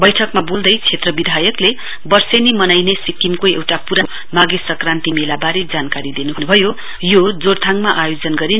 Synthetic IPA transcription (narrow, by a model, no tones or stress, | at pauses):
bʌjʈʰʌkmabold̪ʌjt͡sʰet̪rʌbid̪ʱajʌkle | bʌrsenimʌnajnesikimkoḛwʈapuɾa | maɡesʌkrant̪imilabaɾid͡zankaɾid̪inunubʱʌjo | jod͡zoɾt̪ʰaŋmaʔajod͡zʌnɡʌɾi